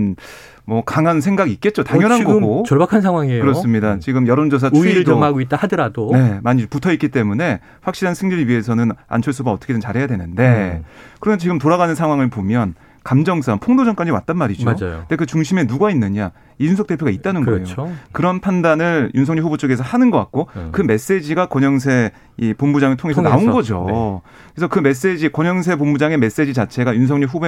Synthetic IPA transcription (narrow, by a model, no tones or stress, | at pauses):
n | mwʌkaŋɦans̬ʰe̞ŋɡaɡiik̚k͈e̞t̚t͡ɕ͈otaŋjʌɦanɡʌɡot͡ɕʌɭbakʰans̬ʰaŋɦwaŋekɯɾʌos͈ɯmɲidat͡ɕiɡɯmjʌɾond͡ʑʌs̬ʰauid͡ʑoaɡoit̚t͈ahadɯɾadone̞maɲiputʰʌit̚k͈it͈e̞mune̞ | ɸwak̚ɕ͈iɾɦansʰɯŋɲiɾɥiɦe̞sʰʌnɯna̰nt͡ɕʰoɭs͈uɡaʌt͈ʌkʰedɯnt͡ɕaɾɦe̞jadwe̞nɯnde̞kɯɾʌnt͡ɕiɡɯmtoɾaɡanɯnsʰaŋɦwaŋɯɭpomjʌn | kamd͡ʑʌŋs͈aŋpʰoŋdod͡ʑʌŋk͈ad͡ʑiwa̰t̚t͈anmaɾid͡ʑod͡ʑnde̞kɯt͡ɕuŋɕʰime̞nuɡainːɯɲa | iunsʰʌk̚t͈e̞pʰjoɡait̚t͈anɯnɡʌejokɯɾʌnpʰandanɯɭjunsʰʌŋɲiɸubot͡ɕ͈oɡe̞s̬ʰʌhanɯnɡʌk͈a̰t̚k͈okɯme̞s͈e̞d͡ʑiɡakʌɲʌŋs̬ʰe̞ | ipombud͡ʑaŋɯɭtʰoŋe̞s̬ʰʌnaonɡʌd͡ʑo̰ | kesʰʌkɯme̞s̬͈e̞d͡ʑikʌɲʌŋs̬ʰe̞pombud͡ʑaŋe̞me̞s͈e̞d͡ʑit͡ɕat͡ɕʰe̞ɡajunsʰʌŋɲuɸube